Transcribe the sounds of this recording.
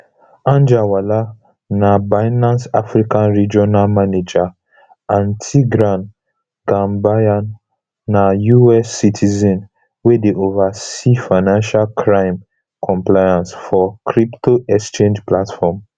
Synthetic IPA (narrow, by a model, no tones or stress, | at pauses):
ãnd͡ʒawala | nabaɪnãnsafɹikãnɹid͡ʒɔnalmaned͡ʒa | ãntʰiɡɾãn | ɡãmbajanː | ajuɛsːitʰizɛ̃n | wedeʔovasifaɪnãnʃalkʰɹãɪ̃m | kʰɔ̃mplajãnsfɔkɾiptoʔɛkst͡ʃẽnd͡ʒplatfɔm